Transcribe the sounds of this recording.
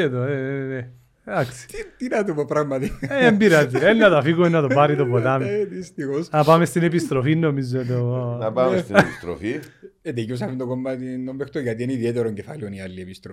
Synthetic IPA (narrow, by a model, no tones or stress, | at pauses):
eðoene | d̪ɐksi̥it̪inɐt̪upopɾɐɣmɐt̪iembiɾɐt̪ːiennːɐt̪ɐfiɣumenːɐt̪opɐɾit̪opot̪ɐmeðist̪ixosnɐpɐme̞st̪inepist̪ɾofinːo̞mizːot̪̬onɐpamest̪iepist̪ɾo̰fied̪ecos̬ɐfind̪okomːɐt̪inombext̪oʝɐt̪iɐniðiet̪eɾoɲɟefɐlioniɐlːiepist̪ɾo